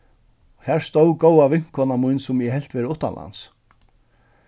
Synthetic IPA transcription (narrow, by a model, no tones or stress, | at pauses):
hæɹst̪owkowavɪŋ̥kʰɔːnamujnsʊmjɛɦɛl̥t̪vɛːɾɪʊht̪ːanla̰ns